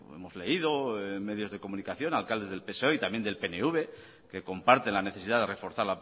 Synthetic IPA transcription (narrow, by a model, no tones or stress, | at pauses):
ḛmo̞zle̞ið̞o̞me̞ðjo̞zðe̞ko̞mũnikaθjo̞nalkald̪e̞zðelpeso̞it̪amje̞nd̪elpe̞neuβ̞e̞ | ke̞ko̞mpaɾt̪e̞nlane̞θe̞siðaðe̞re̞fo̞ɾθaɾla